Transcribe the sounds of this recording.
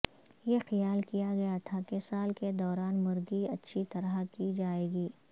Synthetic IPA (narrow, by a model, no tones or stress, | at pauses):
jexɐjaːlkijaɡɐjat̪ʰakesaːlked̪ɔːɾaːnmʊɾɡiɐtːʃʰit̪ɐɾakid͡ʒaːeːɡiː